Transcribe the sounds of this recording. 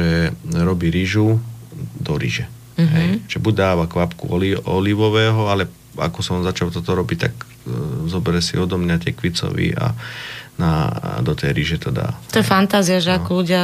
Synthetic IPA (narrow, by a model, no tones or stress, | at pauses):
ɛɾɔbiɾiʒu | d̪ɔɾḭʒɛ | ɦɛjʒ̥ɛbuɟ̚ʲd̪aːʋakʋapkṵɔliɔliʋɔʋɛːɦɔalɛ | a̰kɔsɔmzat͡ʃalt̪ɔt̪ɔɾɔbict̪ak | zɔbɛɾɛsḭɔd̪ɔmɲat̪ɪɛkʋit͡sɔ̰ʋḭa̰na̰d̪ɔt̪ɛjɾiʒɛt̪ɔd̪a̰ːt̪ɔjɛfant̪aːziaʒɛakɔluɟɪa